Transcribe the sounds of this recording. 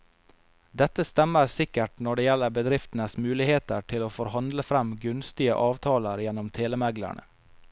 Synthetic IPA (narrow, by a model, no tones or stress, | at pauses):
d̪ɛt̪əst̪ɛməɾsɪkəʈnɔɖeːjɛlːəɾbəd̪ɾɪft̪n̩əsmʉːlɪheːt̪əʈʰɪloːfɔɾhɑnd̪ləfɾɛmɡʉnst̪ɪə̰ʔɑːʋt̪ʰɑːləɾjɛnːʊmt̪ʰeːləmæɡlæ̰ɳə̰